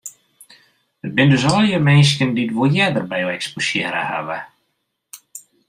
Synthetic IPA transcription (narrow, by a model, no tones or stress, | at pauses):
ət̚bɪndøs̬ɔlˠjəmɛns̬kənditʋoljɛdərbɛjoɛksposjɪːɾə̰ha̰və̰